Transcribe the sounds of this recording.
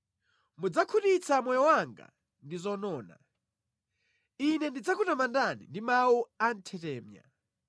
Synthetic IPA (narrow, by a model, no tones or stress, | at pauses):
mud͡zakʰutit͡sʰamɔjɔwaŋɡa̰ | ndizɔnɔːna̰ | inɛndid͡zakutamandanḭndimawuan̩tʰɛtɛːmja̰